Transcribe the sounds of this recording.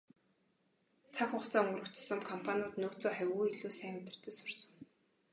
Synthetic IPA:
t͡sʰakʊχt͡saːŋɵɾɵ̆kt̪̆sɞ̆mkʰɔmpʰanʲʊːt̪noːt͡soːχæwʲuːiɮuːsæːmt̪ə̆r̥t̪ĕːsʊ̥r̥sɞ̆ŋ

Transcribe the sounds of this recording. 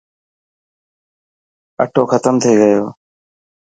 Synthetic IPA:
ə̰ʈʰoːkʰət̪əmt̪ʰəiːɡəjoː

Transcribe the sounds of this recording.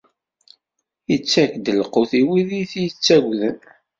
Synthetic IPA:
jət͡sːækd̪əlqoθiwiðiθijət͡sːæɡʷðən

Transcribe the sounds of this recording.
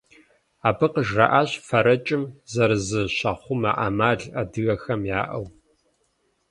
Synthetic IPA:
aːbɨqəʒrɐ̰ʔaːɕfɐɾɐt͡ʃʼɪmzɐɾɨzɨɕɐχʷʊma̰ʔa̰maːɮɐdɨɣɐxɐmjaːʔɐw

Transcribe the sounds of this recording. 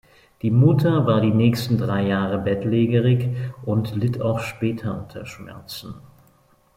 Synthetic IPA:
d̥iːmʊtʰɐvaːɐdiːnɛːçstn̩dʁaɪjaːʁəbɛtleːɡəʁɪçʔʊntlɪtʰa̰ʊxʃpɛːtʰɐʔʊntʰɐ̰ʃmɛ̰ɐt͡sn̩

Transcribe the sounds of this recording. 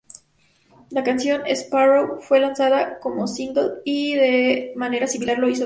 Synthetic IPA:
lakansjo̞nesparowfwe̞lansaðako̞mo̞sind̪oðiðemane̞ɾasimilaɾlo̞iso

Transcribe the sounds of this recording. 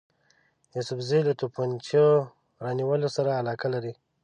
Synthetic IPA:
jusʊfzilat̪upant͡ʃo | ɾɑniwəlosaɾaːlɑkalaɾi

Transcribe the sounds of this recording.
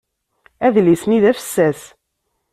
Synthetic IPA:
æðlisniðæfə̥sːæs

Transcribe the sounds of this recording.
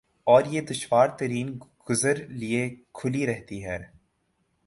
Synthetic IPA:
ɔːɾjed̪ʊʃwaːɾt̪ɐɾiːnɡ̥ʊzəɾliekʰʊliɾɛɦt̪iɦɛː

